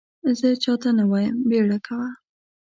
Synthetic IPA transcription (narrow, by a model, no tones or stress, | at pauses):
zət͡ʃɑt̪anawɑjəmbeɽakʰawa